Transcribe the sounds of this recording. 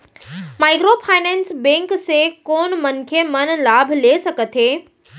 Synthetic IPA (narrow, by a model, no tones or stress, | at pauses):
majkɾopʰajnɛ̃nsbẽŋksekoːnmənkʰemənlabʱlesəkət̪ʰɦe